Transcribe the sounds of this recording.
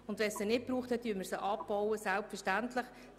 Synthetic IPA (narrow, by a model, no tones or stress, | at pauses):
ʊnd̪vʋɛnssənɪt̚pɾuːχthɛt̚dyːməɾsəʔɑpbɔwəsɛlpfəɾʃtæntləχ